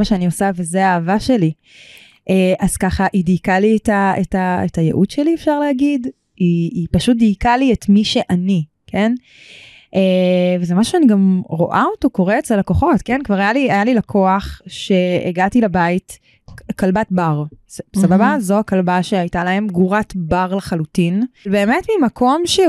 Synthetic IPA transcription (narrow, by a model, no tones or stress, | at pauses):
aʃeaniosavezeaːvaʃe̞li | ʔeʔaz̥kaχaʔidijkalietaetaetajḛʔudʃeliefʃaʁleaɡid | iːpaʃut̚dijkalietmiʃe̞ʔani | kʰe̞n | ʔevezemaʃuaniɡamʁo̞̰ʔaotokoʁeet͡slelako̞χo̞tkenkvaʁajaliajalilakʰoaχʃe̞ḛɡatilabait | kalbat̚baʁssababazoakalbaʃeajtalahe̞mɡuʁatbaʁlaχalutinbe̞ːme̞tmimako̞mʃe